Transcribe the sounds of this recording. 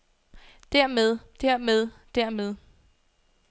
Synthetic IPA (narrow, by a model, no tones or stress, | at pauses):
d̥æɐ̰meðˠd̥æɐ̰með̞ˠd̥æɐ̰með̞ˠ